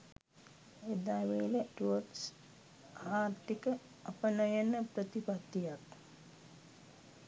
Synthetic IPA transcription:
ed̪aːʋeləʈuəʈs | aːrt̪ikə | ɐpənajənəpɾət̪ipat̪ːijak

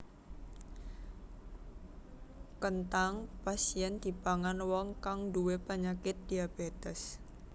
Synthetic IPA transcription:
kənt̪aŋpasiɛnd̪̥i̤paŋanwɔŋkaŋduwepaɲakɪt̪̚d̪̥iabet̪ɛs

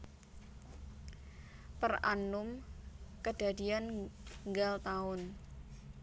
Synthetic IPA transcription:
pəra̰nʊmkəd̥a̤dianŋɡalt̪aʊn

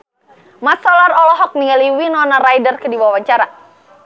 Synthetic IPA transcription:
mat̪sɔlarɔlɔɦɔk̚niŋaliwinɔnaɾajdərkədiwawaɲt͡ʃaɾa

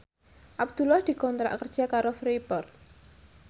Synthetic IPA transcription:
ʔabd̪̥ulahd̪̥i̤kɔnt̪ɾa̰ʔkərd̥ʒ̥a̤kaɾofɾipɔrt̪̚

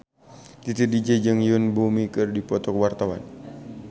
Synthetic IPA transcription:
t̪it̪idid͡ʒəd͡ʒɨŋjʊnbumikɨrdipɔt̪ɔkwart̪awa̰n

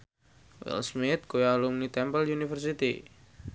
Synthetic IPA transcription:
wɛ̰lsmɪt̪̚kujalumnit̪ɛmpəljunifərsit̪i

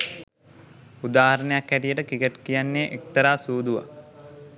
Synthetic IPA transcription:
ud̪aːhaɾənəjakhæʈijəʈəkikəʈkijanːeːʔekt̪əɾaːsuːd̪uʋa̰

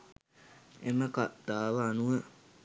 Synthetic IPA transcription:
eməkad̪̥aːʋanuə

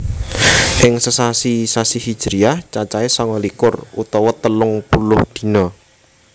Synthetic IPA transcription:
ʔɪŋsəsasisasihid̥ʒ̥ɾijaht͡ʃat͡ʃaesɔŋɔlikʊrṵt̪ɔwɔt̪əlʊŋpulʊhd̪̥i̤nɔ

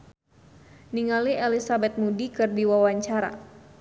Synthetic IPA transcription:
niŋaliʔɛlisabɛt̪̚mudikɨrdiwawaɲt͡ʃaɾa̰

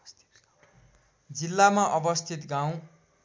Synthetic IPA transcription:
d͡zilːamaʔʌbʌst̪ʰit̪ɡaw̃

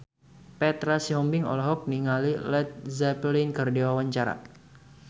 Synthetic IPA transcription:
pɛt̪ɾasiɦɔmbɪŋɔ̰lɛɦɔk̚niŋalilɛt̪̚zɛplinkərdewawaɲt͡ʃaɾa̰

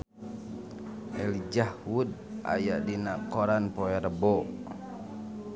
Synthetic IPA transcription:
ʔɛlid͡ʒahwuda̰jaʔdinakɔɾanpɔɛɾəbɔ

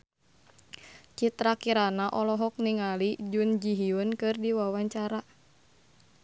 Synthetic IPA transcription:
t͡ʃit̪ɾakiɾanaʔɔlɔɦɔk̚niŋalid͡ʒund͡ʒiɦiunkɨrdiwawaɲt͡ʃaɾa

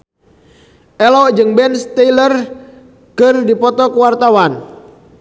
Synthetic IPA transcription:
ʔɛlɔʔd͡ʒɨŋbɛnst̪ɛlər | kərdipɔt̪ɔkəwart̪awan

